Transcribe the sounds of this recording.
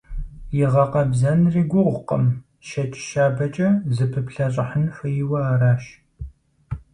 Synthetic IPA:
jɪʁɐqɐbzɐnriːɡʷʊʁʷqɐ̰m | ʃɐt͡ʃʼʃaːbɐt͡ʃʼɐzɨpʰɨpɬɐɕʼɐħənfɨjɪwɐaːɾaːʃ

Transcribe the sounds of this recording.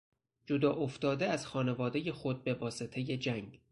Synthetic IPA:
d͡ʒod̪ɒːʔoft̪ɒːd̪eæz̥xɒːne̞vɒːd̪e̞je̞xo̞d̪̚be̞vɒːse̞t̪ʰe̞je̞d͡ʒæŋɡ

